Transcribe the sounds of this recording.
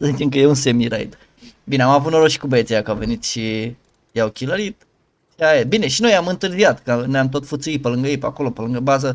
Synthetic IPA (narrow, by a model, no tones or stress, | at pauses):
səzit͡ʃemkəje̞unse̞miɾa̰jd̪ | bine̞amavut̪no̞ɾoʃi̥kubəet̪sejakəawve̞nit̪ʃi | jawkʲiləɾit̪̚ | ʃiaebine̞ʃino̞jamɨnt̪ɨrziat̪kənojamt̪o̞t̪fut̪suit̪̚pəlɨŋɡəipako̞lo̞pəlɨŋɡəbazə